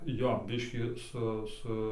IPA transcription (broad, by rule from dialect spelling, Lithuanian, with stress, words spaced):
ˈjoː ˈbʲɪʃʲkʲiː ˈsʊ ˈsʊ